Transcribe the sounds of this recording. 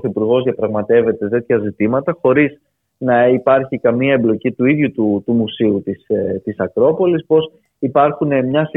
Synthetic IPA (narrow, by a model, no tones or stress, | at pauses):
θipuɾɣo̞zðiɐpɾɐɣmɐt̪e̞ve̞t̪e̞st̪et̪çɐzit̪imɐt̪ɐxo̞ɾiz | nɐipɐɾçikɐmiɐemblo̞cit̪uiðʝut̪ut̪umusiut̪ist̪isɐkɾo̞po̞lispo̞s | ipɐɾxune̞mɲɐs